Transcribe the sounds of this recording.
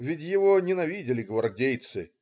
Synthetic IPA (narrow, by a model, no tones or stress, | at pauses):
vʲɪtʲjɪvonʲɪnɐvʲidʲɪlʲɪɡvɐrdʲejt̪sɨ